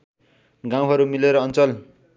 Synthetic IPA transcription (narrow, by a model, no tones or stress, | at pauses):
ɡãw̃ɦʌɾumileɾʌːnt͡sʌl